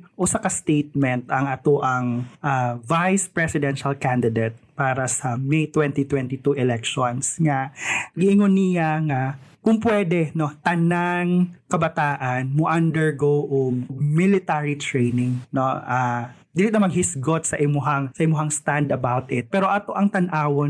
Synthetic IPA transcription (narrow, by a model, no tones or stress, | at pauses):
ʔʊsakɐst̪ejt̪̚mɛnt̪ɐŋɐt̪oʔɐŋʔavajspɹɛsɪd̪ɛnʃɐlkand̪ɪd̪et̪̚paːɾɐsɐmɛjt̪wɛnt̪it̪wɛnt̪it̪uʔɛlɛk̚ʃonsŋaɡɪʔɪŋonɪjaŋɐkʊŋpwɛd̪ɛno̞t̪ɐnaŋkɐbɐt̪aːʔɐnmoʔɐnd̪ɛɹɡowʔoŋmɪlɪt̪aɹit̪ɹejnɪŋnoʔad̪iːlɪt̪ɐmɐɡ̚hɪsɡot̪̚sɐʔɪmʊɦaŋsɐʔɪmʊɦaŋst̪and̪ɐbawt̪ɪt̪̚pɛːɾo̞ʔɐt̪oʔɐŋt̪ɐnʔaːwon